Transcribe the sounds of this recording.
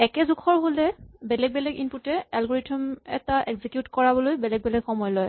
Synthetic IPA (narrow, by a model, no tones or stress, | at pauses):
ɛkɛzukʰɔɹɦolɛbɛlɛɡ̚bɛlɛɡinputɛɛlɡɔɹitʰɔmɛ̰taʔɛɡzikjutkɔɹabɔlojbɛlɛɡ̚bɛlɛɡxɔmɔjlɔj